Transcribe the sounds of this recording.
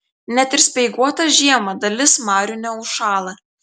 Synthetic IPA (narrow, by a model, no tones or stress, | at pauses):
nʲɛt̪ʲɪɾsʲpʲɛɪɡuɔt̪ɐʒʲiɛmɐd̪ɐlʲɪsmɑːɾʲʊnʲɛʊʃɑːlˠɐ